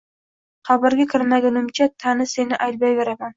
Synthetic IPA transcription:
χabaɾɡʲakʰʲɪɾɪmaɡʲanɪmt͡ʃʰat̪ʰanɪse̞nɪʔajt̪̚bajbeɾaman

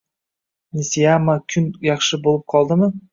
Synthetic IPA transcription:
nʲisijamakʲʰʏnjɑχʃɨbolˠəp̚qʰɑlˠd̪əmə

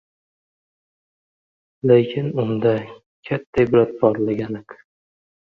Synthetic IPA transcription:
lekʲʰɪnʊnd̪a | kʲʰat̪ʰːajbɪɾat̪̚bɒɾlaɡʲanɪk

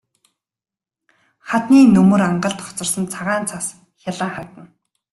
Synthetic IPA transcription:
χat̪niːnɵmɵ̆ɾaɴɢə̆ɬt̪ʰɔ̥t͡sɞ̆rsə̆nt͡sʰaʁaːnt͡sʰas | xʲjaɮə̆ːŋχat̪ə̆n

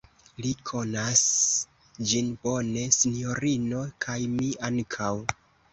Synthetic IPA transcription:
likʰo̞nas | d͡ʒinbo̞ne̞sinjo̞ɾino̞kʰajmiaŋkʰaw

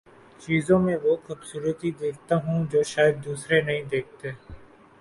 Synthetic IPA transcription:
t͡ʃiːzõːmẽʋoːxʊbsuːɾət̪id̪eːk̚ʰt̪aːɦũːd͡ʒoːʃaːjəd̪ːuːsɾenəɦĩːd̪eːk̚ʰt̪eː

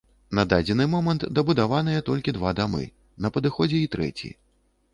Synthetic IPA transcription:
nɐd̪ad͡zʲɛnɨmɔmɐnt̪d̪ɐbud̪avan̪ɨjɛt̪ɔlʲkʲid̪vad̪amɨ̰ | nɐpɐd̪ɨxɔd͡zʲɛit̪ɾɛ̰t͡sʲḭ

